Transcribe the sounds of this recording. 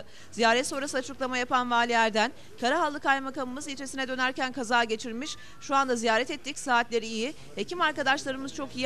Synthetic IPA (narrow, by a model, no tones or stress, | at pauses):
z̥ijaːɾɛt̪so̞ɾasɯat͡ʃʰɯklˠamajapʰanvaːlʲijæɾd̪æn | kʰaɾaɦalˠːɯkajmakamɯmɯzjʲit͡ʃʰesinɛd̪ø̞næɾcænkʰazaːɟe̞t͡ʃʰiɾmiʃ | ʃuand̪azijaːɾɛt̪ɛt̪ʰːicsaːt̪lʲe̞ɾiːji | hecʰimaɾkad̪aʃlˠaɾɯmɯz̥t͡ʃʰo̞kij